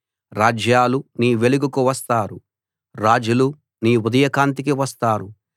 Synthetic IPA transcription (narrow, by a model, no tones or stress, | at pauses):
ɾaːd͡ʒjaːluniːʋe̞luɡukuʋɐst̪aːɾu | ɾaːd͡ʒulu | niːud̪ɐjɐkaːnt̪̬ikiʋɐst̪aːɾu